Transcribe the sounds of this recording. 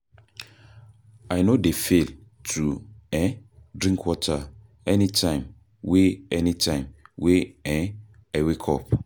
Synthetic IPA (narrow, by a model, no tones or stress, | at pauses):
ajnodefel | tʰuɛ̃dɹĩŋkʰwɔtʰa | ɛnitʰãɪ̃m | weɛnitʰãɪ̃mweɛ̃ | ɛwekʰɔ̰p